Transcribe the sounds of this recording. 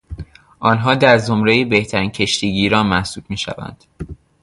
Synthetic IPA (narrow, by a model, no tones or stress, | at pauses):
ʔɒːnɦɒːd̪æɾzomɾejebe̞ht̪ʰæɾiːncʰe̞ʃt̪ʰiːɟiːɾɒːnmæhsuːb̥̪̚miːʃæ̰væ̰nd̪̥